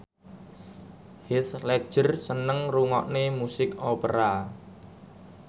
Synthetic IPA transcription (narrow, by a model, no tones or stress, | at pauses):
hɪt̪lɛ̥ʒ̥ə̤rsənəŋruŋɔʔnemusɪkopəɾa